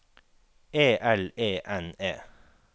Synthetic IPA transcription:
eːʔɛleːʔɛneː

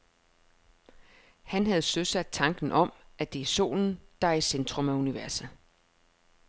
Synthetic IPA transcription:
hænɦæð̞̩ˠsøsæd̥̚t͡sʰɑ̈ŋɡ̥n̩ʔɒ̽mʔæd̥e̝so̝̰ːln̩d̥ɑ̈isend̥ʁɔmæuniʋæɐsə

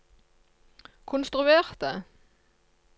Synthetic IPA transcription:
kʰʊnst̪ʁʉeːʁt̪ə̰

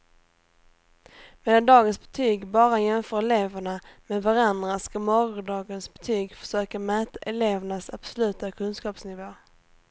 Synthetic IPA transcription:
meːd̪and̪ɑːɡənsbɛt̪ʰyːɡbɑːɾajɛmfœːɾɛleːvəɳameːd̪vaɾand̪ɾaskamɔɾʊɖɑːɡənsbɛt̪ʰyːɡfœ̥ʂøːkamɛːt̪aʔɛleːvəɳasa̰b̥sɔlʉ̟ːt̪akʰɵnskɑːpsnɪvoː

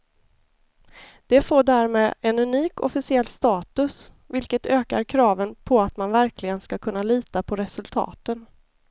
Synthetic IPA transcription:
d̪̥ɛfoːɖæːɾmeːd̪ɛnɵniːkɔ̰fɪsɪɛlːst̪ɑːt̪ɵs | vɪlkət̪øːkaɾkʰɾɑːvənpʰɔat̪manvæɾkʰlɪɡənskakʰɵnːaliːt̪apʰɔɾɛsɵlt̪ʰɑ̰ːt̪ən

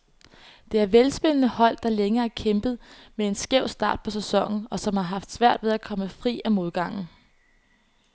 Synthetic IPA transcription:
d̥e̝æɐʋelsb̥enənəhɒ̽l̰d̥ɑ̈leŋɐːæɐkʰemb̥ð̞̩ˠmee̝nsɡ̥eʊ̰sd̥ɑ̰̈ːd̥̚pʰɒ̽s̬esɒ̽ŋ̰n̩ɒ̽sɒ̽mhɑ̈ɦɑ̈fd̥sʋæɐ̰d̥ʋe̝ð̞ˠækʰɒ̽məfʁḭːæmo̝ð̞ˠɡ̥ɑ̈ŋ̰n̩

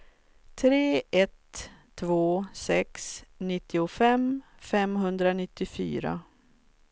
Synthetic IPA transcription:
t̪ʰɾeːʔɛt̪ʰː | voːsɛksnɪt̪ːɪʊfɛmfɛmɦɵnd̪ɾanɪt̪ːɪfy̰ːɾa̰

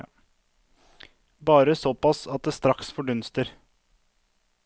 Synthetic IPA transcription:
bɑːɾəsɔpɑsɑt̪̚d̪eːst̪ɾɑksfɔɖʉnst̪əɾ

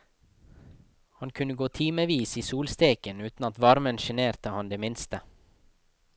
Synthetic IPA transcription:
hɑnkʰʉnəɡoːt̪ʰiːməʋiːsiːsuːlst̪eːkənʉːt̪n̩ɑt̪ʋɑɾmənʃɛneːɾt̪əhɑnd̪eːmɪnst̪ə

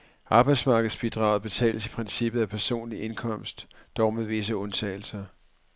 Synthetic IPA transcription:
ʔɑ̈ːb̥ɑ̈ɪd̥smɑ̈ːɡ̥əð̩ˠsb̥id̥ʁɑ̈ʊð̞̩ˠb̥e̝t͡sʰɛ̰ːləsipʰʁɛnsib̥ð̞̩ˠæpʰæɐso̝̰ːnliʔe̝nkʰɒ̽m̰sd̥ɒʊmeðʋe̝s̬əɔ̽nt͡sʰɛ̰ːl̩sɐ

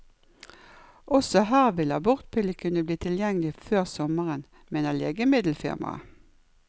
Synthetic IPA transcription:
ʔɔsɔɦæːʁʋɪləɑbʊʁt̪̚pʰɪləkʰʉnəbliːt̪ʰɪljɛŋəlɪføːʁsɔməʁən | meːnəleːɡəmɪd̪l̩fɪ̰ʁmɑ̰

